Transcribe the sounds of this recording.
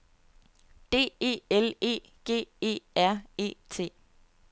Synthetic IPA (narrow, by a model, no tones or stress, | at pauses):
d̥e̝̰ːe̝̰ːele̝̰ː | ɡ̥e̝̰ːe̝̰ːæɐ̰e̝̰ːt͡sʰe̝̰ː